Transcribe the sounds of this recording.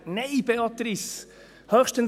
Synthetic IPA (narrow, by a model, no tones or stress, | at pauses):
nɛjbeɔt̪ɾis | hœːχʃtən